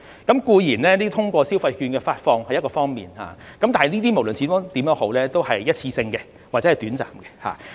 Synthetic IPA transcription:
kɐ˨˦˥mkuː˧jiː˨˩nlɛː˦˥niː˥t̪ʰʊ˥ŋkʷɔː˧siː˥wfɐ˧jhyː˧nkɛː˧faː˧t̚fɔː˧ŋhɐ˨jɐ˥t̚kɔː˧fɔː˥ŋmḭː˨˩nha̰ː˧kɐ˦mt̪aː˨˩hɐ˨˩niː˥t̪iː˥mo˨˩wlɵ˨˩nt͡sʰiː˨˧t̪o˥t̪iː˨˥mjœː˨˥ŋho˨˥wlɛː˥t̪o˥whɐ˨jːɐ˥t̚t͡sʰiː˧sɪ˧ŋkɛ˧ | waː˨ɛ˨˥hjt̪yː˨˥nt͡sa̰ː˨˩mkɛ˧ha̰ː˨

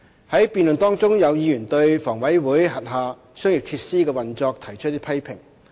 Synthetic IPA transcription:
hɐ˨˥jpiː˨nlɵ˨nt̪ɔː˥ŋt͡sʊ˥ŋjɐ˨˧wjiː˨˧jyː˨˩nt̪ɵ˧ɥfɔː˨˩ŋwɐ˨˥jwuː˨˥jɦɐ˨t̚ɦaː˨ | sœː˥ŋji˨p̚t̪ʰiː˧t̚siː˥kɛː˧wɐ˨nt͡sɔː˧k̚t̪ʰɐ˨˩jt͡ʃʰt̚t̪iː˥pʰɐ˥jpʰɪ˨˩ŋ

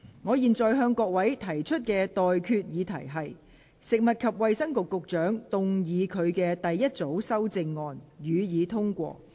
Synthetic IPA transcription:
ŋɔː˨˧jiː˨nt͡sɔː˨jɦœː˧ŋkɔː˧k̚wɐ˨˥jt̪ʰɐ˨˩jt͡ʃʰɵ˥t̚kɛː˧t̪ɔː˨jkʰyː˧t̚jiː˨˧t̪ʰɐ̰˨˩jɦɐ˨j | sɪ˨k̚mɐ˨t̚kʰɐ˨p̚wɐ˨jsɐ˥ŋkʊ˨kːʊ˨k̚t͡ʃœː˨˥ŋt̪ʊ˨ŋjiː˨˧kʰɵ˨˧ɥkɛː˧t̪ɐ˨jːɐ˥t̚t͡so˨˥wsɐ˥wt͡sɪ˧ŋːɔː˨njyː˨˧jiː˨˧t̪ʰʊ˥ŋkʷɔ̰ː˧

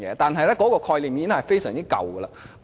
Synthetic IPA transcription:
jɛ̰˨˧˦t̪aː˨nɦɐ˨jlɛː˥kɔː˨˥kɔː˧kʰɔː˧jliː˨˩mjiː˨˧˥ŋhɐ˨jfe˥jsœː˨˩ŋt͡si˦˥kɐ̰˨wɡəː˧laː˧

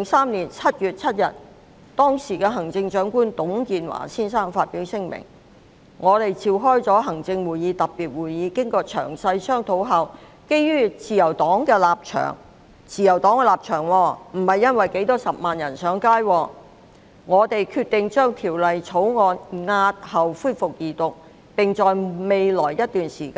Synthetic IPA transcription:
lɪ˨ŋsaː˥mliː˨˩nt͡sʰɐ˥t̚jyː˨t̚t͡sʰɐ˥t̚jɐ̰˨t̚ | t̪ɔː˥ŋsiː˨˩kɛː˧ɦɐ˨˩ŋt͡sɪ˧ŋt͡ʃœː˨˥ŋkuː˥nt̪ʊ˨˥ŋkiː˨˧nwa̰ː˨˩siː˥nsaː˥ŋfaː˧t̚piː˨˥wsɪ˥ŋmɪ̰˨˩ŋ | ŋɔː˨˧t̪e˨jt͡siː˨˧wɦɔː˥jt͡sɔː˨˥ɦɐ˨˩ŋt͡sɪ˧ŋwuː˨˩jiː˨˧t̪ɐ˨pːiː˨t̚wuː˨˩jjiː˨˧kɪ˥ŋkɔː˧t͡ʃʰœ̰ː˨˩ŋsɐ˧jsœː˥ŋt̪ʰo˨˥wɦɐ˨w | ke˥jːyː˥t͡siː˨jɐ˨˩wt̪ɔː˨˥ŋkɛː˧laː˨p̚t͡ʃʰœ̰ː˨˩ŋ | t͡siː˨jɐ˨˩wt̪ɔː˨˥ŋkɛ˧laː˨p̚t͡ʃʰœː˨˩ŋwɔː˧m̩˨˩hɐ˨jːɐ˥nwɐ˨jke˨˥jt̪ɔː˥sɐ˨p̚maː˨njɐ˨˩nsœː˨˥ŋkaː˥jwɔː˧ | ŋɔː˨˧t̪e˨jkʰyː˧t̪ːɪ˨ŋt͡ʃœː˥ŋt̪ʰiː˨˩wlɐ˨jt͡sʰo˨˥wŋɔː˧nŋaː˧t̚hɐ˨wfuː˥jfʊ˨k̚jiː˨t̪ʊ˨k̚ | pɪ˨ŋt͡sɔː˨jme˨˧jlɔː˨˩jjɐ˥t̚t̪yː˨nsḭː˨˩kaː˥˧

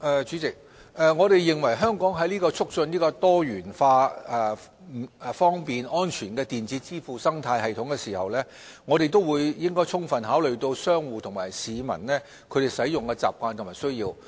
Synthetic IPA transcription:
ʔɛː˨˧t͡ʃy˨˥t͡sɪ˨k̚ | ʔɛː˨ŋɔː˨˧ɾe˨jːɪ˨˩ŋwɐ˨˩jɦœː˥ŋkɔː˨˥ŋɦɐ˨˥jliː˥kɔː˧t͡sʰʊ˥k̚sɵ˧nliː˥kɔː˧t̪ɔː˥jyː˨˩nfaː˧ɛ˨˧˨ | fɔː˥ŋpiː˨nʔɔː˥nt͡ʃʰyː˨˩nkɛː˧t̪iː˨˩nt͡siː˨˥t͡siː˥fuː˨˩sɐ˥ŋt̪ʰaː˧jhɐ˨jt̪ʰʊ˨˥ŋkɛː˧siː˨˩hɐ˨wlɛː˥ | ŋɔː˨˧ɾe˨jt̪o˥wuː˨˧jjɪ˥ŋkɔː˥jt͡sʰʊ˥ŋfɐ˨nɦaː˨˥wlɵ˨ɥt̪o˧wsœː˥ŋwuː˨t̪ʰʊ˨˩ŋmaː˨˩jsiː˨˧mɐ̰˨˩nlɛː˥ | kʰɵ˨˧ɥt̪e˨˩jsɐ˨˥jʊ˨ŋkɛː˧t͡sa̰ː˨p̚kʷaː˧nt̪ʰʊ˨˩maː˨˩sɵ˥ɥjiː˧w

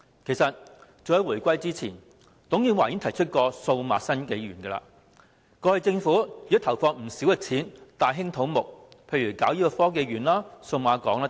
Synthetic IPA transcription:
kʰe˨˩jsɐ˨t̚t͡so˨whɐ˨˥jwuː˨˩kʷɐ˥jt͡siː˥t͡sʰḭː˨˩n | t̪ʊ˨˥ŋjiː˨˥nwaː˨˩ji˨˥nt̪ʰɐ˨˩jt͡ʃʰɵ˥t̚kɔː˧so˧wmaː˨˧sɐ˥nke˨˧˥jɥyː˨˩nɡɛː˧la̰ː˧ | kɔː˧hɐ˨jt͡sɪ˧ŋfuː˨˥i˨˥t̪ʰɐ˨˩wfɔː˧ŋm̩˨˩si˨˥wjɐ˨˧k̚t͡sʰiː˨˥nt̪aː˨jɦɪ˥ŋt̪ʰo˨˥wmʊ˨k̚pʰe˧jyː˨˩kaː˨˥wjiː˥kɔ˧fɔː˥k̬e˨˧jɥyː˨˩nlaː˥so˧wmaː˨˧˥kɔː˨˥ŋlaː˧˥

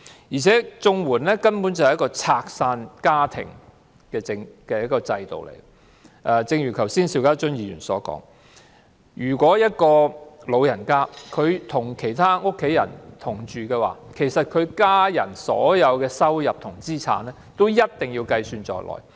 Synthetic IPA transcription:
jiː˨˩t͡sʰɛː˨˥t͡sʊ˧ŋwuː˨˩nlɛː˥kɐ˥npu˨˥nt͡sɐ˨˩hjɐ˥kɔː˧t͡sʰaː˧k̚saː˧nkaː˥t̪ʰɪ̰˨˩ŋ | kɛː˧t͡sɪ˧ŋkɛː˧jɐ˥t̚kːɔː˧t͡sɐ˧jt̪o̰˨wlḛ˨˩j | ʔɛː˨˩t͡sɪ˧ŋjy˨˩kʰɐ˨˩wsiː˥nsi˧wkaː˥t͡ʃɵ˥njiː˧ɥy̰˨˩nsɔː˨˥kɔ̰ː˨˥ŋ | jyː˨˩kʷɔː˨˥jɐ˥t̚kɔː˧lo˨˧wjɐ˨˩nkaː˥kʰɵ˨˧ɥt̪ʰʊ˨˩ŋkʰe˨˩jt̪ʰaː˥ŋʊ˥kʰːe˨˥jɐ̰˨˩nt̪ʰʊ˨˩ŋt͡ʃyː˨kɛː˧wa̰ː˨˩kʰe˨˩jsɐ˨t̚kʰɵ˨˧ɥkaː˥jɐ˨˩nsɔ̰ː˨˥jɐ˨˧wkɛː˧sɐ˥wjɐ˨p̚t̪ʰʊ˨˩ŋt͡siː˥t͡sʰa̰ː˨˥nɛ˥t̪o˥wjɐ˥t̚t̪ɪ˨ŋjiː˧wkɐ˧jsyː˧nt͡sɔ̰ː˨jlʔɔ̰ː˨˩j

